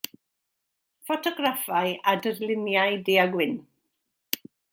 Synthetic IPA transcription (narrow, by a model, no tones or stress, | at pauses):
fɔtʰɔɡrafajʔadərlɪnjaɨdeaɡwɪn